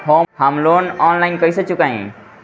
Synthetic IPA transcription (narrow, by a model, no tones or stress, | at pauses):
hohəmlonɔnlainkəjset͡ʃukãḭ̃